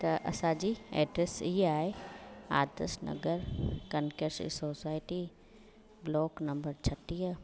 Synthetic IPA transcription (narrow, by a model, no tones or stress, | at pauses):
t̪ɐʔɐ̰sãd͡ʑiːɛ̰ːɖɾesiɦaːɦea̰ːd̪ə̰snɐ̰ɡəɾkɐnkəsḭsoːsaːɪʈi | blɔːknɐ̃mbəɾt͡ɕʰɐʈijə